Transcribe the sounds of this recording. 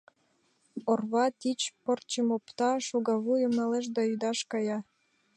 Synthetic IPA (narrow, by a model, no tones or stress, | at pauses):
orβɑt̪it͡ɕport͡ɕəmopt̪ɑʃuɡɑβujəmnɑleʃ̬d̪ɑyd̪ɑʃkɑjɑ